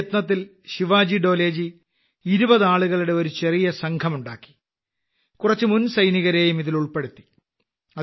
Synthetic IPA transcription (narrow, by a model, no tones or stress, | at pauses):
t̪nɐt̪ːil | ɕiʋaːd͡ʑiɖo̞ːle̞ːd͡ʑi | iɾubɐðaːɭuɣɐɭuɽe̞o̞ɾut͡ɕe̞rijɐsɐŋkʰɐmuɳɖaːkːi̥ | kurɐt͡ɕːɨmunsɐjniɣɐɾeːjumiðiluɭpe̞ɽut̪ːi̥ | ɐ